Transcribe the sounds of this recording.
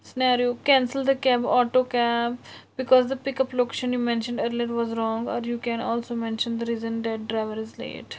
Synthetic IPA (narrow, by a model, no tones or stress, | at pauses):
sɪnaːɾijoːkɛ̃ːnsəld̪əkɛːbɔːʈoːkɛːpbɪkɔːzd̪əpɪkəploːkeʃə̃njuːmɛ̃nʃə̃ɳɖəɾleɾʋɔːzɾɔ̃ːŋɡɔ̰ːɾjuːkɛ̃ːnɔːlsoːmɛ̃nʃə̃nd̪əɾiːzə̃nd̪ɛʈ̚ɖɾaɪʋəɾɪzlḛːʈ